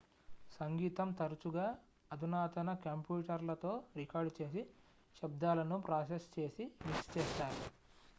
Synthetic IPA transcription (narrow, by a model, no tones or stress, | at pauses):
sɐŋɡiːt̪ɐmt̪ɐɾut͡ʃuɡaː | ɐd̪unaːt̪ɐnɐkɐmpjuːʈɐɾlɐt̪o̞ːɾikaːɾɖt͡ʃe̞ːsi | ʃɐb̚d̪aːlɐnupɾaːsest͡ʃe̞ːsimikst͡ʃeːʃaːɾu